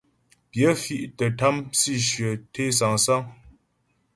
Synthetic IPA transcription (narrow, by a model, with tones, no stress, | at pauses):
pjə˨˦fi˦˨ʔtə˨ta˦msi˦˨ʃɥə˨tʰe˦s̬a˨ŋsa˦ŋ